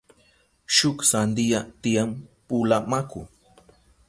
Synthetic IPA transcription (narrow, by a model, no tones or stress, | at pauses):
ʃʊksand̪ijat̪ijampʊlamakʊ